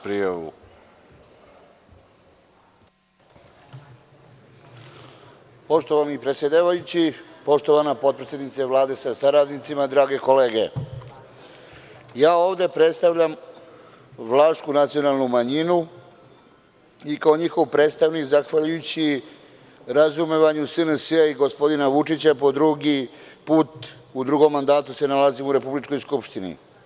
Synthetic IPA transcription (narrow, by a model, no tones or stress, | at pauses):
pɾijaʋṵ | po̞ʃt̪oʋanipɾe̞t̪sjed̪aːʋajut͡ɕipo̞ʃt̪o̞ʋanapo̞t̪̚pɾet̪sje̞d̪nit̪seʋlˠaːd̪e̞sasaɾad̪nit̪simad̪ɾaːɡe̞ko̞le̞ːɡe | jaːo̞ːvd̪e̞pɾe̞t̪st̪aʋʎam | ʋlˠaːʃt̪kunat̪sio̞nalˠnumaɲinu | ikao̞ɲixo̞ʋpɾet̪st̪aʋnikzaxʋaʎujut͡ɕi | ɾazumeʋaɲusɨnəsəaiɡo̞spo̞d̪inaʋut͡ʂit͡ɕapo̞d̪ɾuɡipuːt̪ud̪ɾuɡo̞mːand̪aːt̪use̞nalazimuɾe̞publit͡ʃko̞jskupʃt̪inḭ